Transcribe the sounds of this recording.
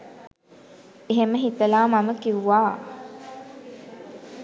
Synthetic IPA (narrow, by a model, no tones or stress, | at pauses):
eɦeməɦit̪əlaːmaməkiuʋaː